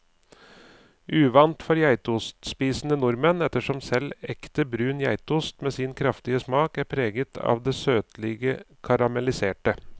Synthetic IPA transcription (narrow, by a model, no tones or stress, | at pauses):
ʔʉːʋɑnt̪fɔɾjæɪt̪uːst̪spiːsnənʊɾmənɛt̪ːəʂɔmsɛlɛkt̪əbɾʉːnjæɪt̪uːst̪meːsinkʰɾɑft̪ɪəsmɑːkæɾpʰɾeːɡət̪ʰɑ̰ːʋd̪ɛːsøːt̪lɪɡə | kʰɑɾɑmɛlɪseːʈə